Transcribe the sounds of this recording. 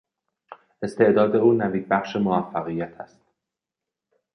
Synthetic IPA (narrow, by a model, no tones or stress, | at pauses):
ʔe̞st̪ʰe̞ʔd̪ɒːd̪e̞uːnæviːd̪̚bæχʃe̞moæfːæɣijæt̪ʰæst̪̚